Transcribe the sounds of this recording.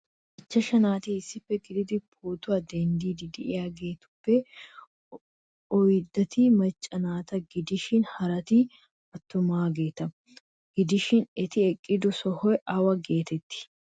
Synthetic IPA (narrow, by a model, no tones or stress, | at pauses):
ʔɪt͡ʃːɐʃɐnaːt̪iɪsːɪpːɛɡɪd̪ɪd̪ɪpʰoːt̪ʊɐd̪ɛnd̪iːd̪ɪd̪ɪʔɪjaːɡe̞ːt̪ʊ̥pːɛ | ɔjd̪ɐt̪imɐt͡ʃʼːɐnaːt̪ɐɡɪd̪ɪʃɪnhɐɾɐt̪i | ɐt̪ːʊmaːɡe̞ːt̪ɐ | ɡ̥ɪd̪ɪʃɪnɛt̪ɪɛkʼːɪd̪ʊsɔhɔjʔɐwɐɡe̞ːt̪ɛt̪ːɪ̥